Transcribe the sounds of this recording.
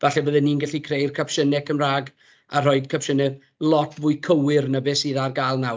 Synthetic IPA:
vaɬɛvəðɛnːinɡaɬikʰrejrkʰapʃənɛkʰəmraːɡ | ar̥ɔɨd̥kʰapʃənɛv | lˠɔtʰvʊːɨkʰəwɪrnəbɪsiðarɡaːlˠnaw

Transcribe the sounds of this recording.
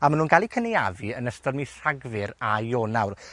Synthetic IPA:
amanuːnɡalˠikʰənejavɨənəstɔrmiɬaɡvɪɾajoːnawr

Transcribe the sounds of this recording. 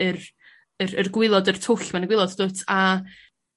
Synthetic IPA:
ɨr | ərərɡwɪlˠɔdər̥tʰʊɬmanəɡwɪlˠɔddoːtʰa

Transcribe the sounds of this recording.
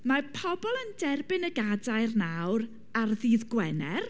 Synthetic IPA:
marpʰɔbɔlˠəndɛrbɪnəɡadaɨrnawr | arðiːðɡwɛnɛr

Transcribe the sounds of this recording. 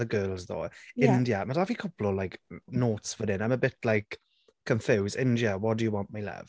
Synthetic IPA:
ðəɡɜːlˠzðo̰ːɪ̃ndjəmadavikʰɔplɔlajknoːˑtsvəɾɪnãɪ̃məbɪtʰlajk | kʰːə̃ɱfʉːzɪ̃ndjəwɔt̚d̥əjəwɑ̃nʔmalɛ̰v̥

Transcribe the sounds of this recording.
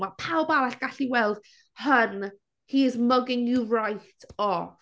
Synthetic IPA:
apʰawbawaɬɡ̥aɬiwɛlˠd̥ | hən | hiɪzməɡɪŋjurajtʰɔ

